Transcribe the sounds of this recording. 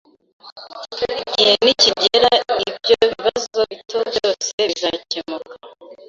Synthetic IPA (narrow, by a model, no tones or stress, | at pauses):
ɟiheniciɟeɾaibɟoβiβazoβitʰobjo̞ːseβizacemuka